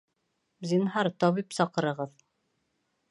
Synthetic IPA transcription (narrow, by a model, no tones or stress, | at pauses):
zinɦɑɾt̪ɒβipsɑqɤ̆ɾɤ̆ʁɤð